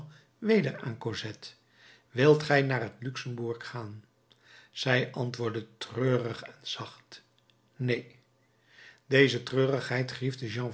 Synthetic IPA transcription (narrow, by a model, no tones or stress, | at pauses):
ʋejdəɹa̰ːnkozɛt | ʋɪlˠtχɛjnaːrɦətlyksəmbuɹkχaːn | z̥ɛjʔɑntʋʊːɹdətrøːrəχɛnz̥ɑχt | nej | d̥ejzətrøːrəχɦɛjtχrivdəʒɑ̃